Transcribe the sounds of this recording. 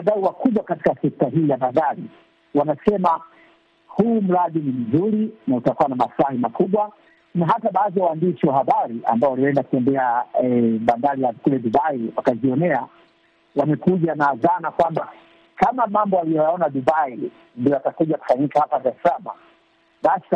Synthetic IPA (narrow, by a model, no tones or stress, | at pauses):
aɗaiwakuɓwakati̥kasɛk̚taɦiːjaɓandaɾi | wanasɛma | huːm̩ɾaɗinim̩zuɾinautakuwanamafulahimakuɓwa | naɦataɓaːðijawaːndiʃiwahaɓaɾiʔa̰mbaɔwaliwɛndaku̥tɛmbɛaɛɓandaɾijakulɛɗuɓaiwakaziɔnɛa | wamɛkuʄanazanakwamba | kamamambɔalijɔjaɔnaɗuɓai | ndiɔjatakuʄaku̥faɲikahapazasama̰ | ɓas